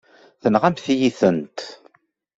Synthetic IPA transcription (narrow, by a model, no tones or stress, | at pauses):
θənʁæmθijiθənt̪